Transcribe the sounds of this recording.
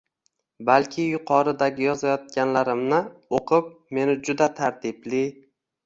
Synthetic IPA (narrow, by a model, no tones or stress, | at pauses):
balkʲʰɪjʊqʰɒɾɪd̪aɡʲɪjɒzajɒt̪̚kʲanlaɾɪmnɪoqʰɨp̚me̞nɪd͡ʒʊd̪at̪ʰaɾt̪ʰɪblɪ